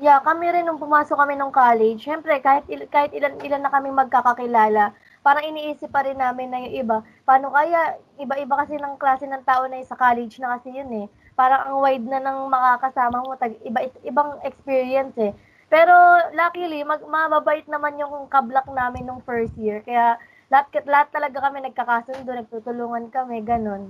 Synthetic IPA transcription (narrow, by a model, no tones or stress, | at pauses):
jakɐmɪɾɪnːʊŋpʊmaːsokːɐmɛnoŋkaːlɛd͡ʒʃɛmpɾɛkaːhɪt̪̚ɪkaːhɪt̪̚ɪlanʔɪlanːɐkɐmɪŋmɐɡ̚kakɐkɪlaːlɐ | paːɾɐŋɪniːʔiːsɪp̚ːɐɾɪnːaːmɪnːɐjʊŋʔɪba | paːno̞kɐjaʔʔɪbaʔɪbakɐsɛnɐŋklaːsɛnɐŋt̪aːʔo̞nɐsɐkaːlɛd͡ʒnɐkɐsɛjʊnɛ | paːɾɐŋʔɐŋwajd̪̚nɐnɐŋmɐkakɐsaːmɐmo̞t̪ɐɡʔɪbaʔɪʔɪbaŋɛkspiːɹiɐnsɛ | pɛːɾo̞lakilimɐɡmɐbabaʔɪt̪̚nɐmanjʊŋkɐblɐk̚naːmɪnːoŋfɛɹst̪̚jɪɹkɐjaʔ | lɐhat̪̚kɐlɐhat̪ːɐlɐɡakɐmɛnɐɡ̚kɐkaːsʊnd̪onɐɡ̚t̪uːt̪ʊluːŋɐnkɐmɛɡɐno̞n